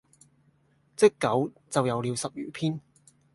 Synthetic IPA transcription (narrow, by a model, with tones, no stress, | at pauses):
t͡sɪ˥kːɐ˨˥wt͡sɐ˨wjɐ˨˧wliː˨˧wsɐ˨p̚jyː˨˩pʰiː˥n